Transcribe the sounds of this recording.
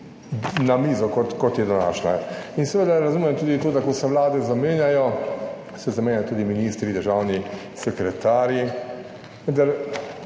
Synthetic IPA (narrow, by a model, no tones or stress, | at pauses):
namiːzɔkɔt̪kɔt̪jɛd̪ɔna̰ːt͡ʃnainsɛʋed̪aɾazuːmɛmt̪uːd̪it̪oːd̪akɔsɛʋlaːd̪ɛzameːnjajɔ | sɛzameːnʲjajɔt̪uːd̪iminiːst̪ɾid̪əɾʒaːwni | sɛkɾɛt̪aːɾji | ʋənd̪aɾ